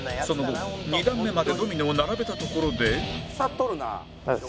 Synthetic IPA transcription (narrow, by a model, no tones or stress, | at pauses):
so̞noɡoɲʲid̪ãmːe̞mad̪e̞d̪omʲineonaɾabe̞t̪at̪o̞ko̞ɾod̪e̞at̪ːoɾɯna̰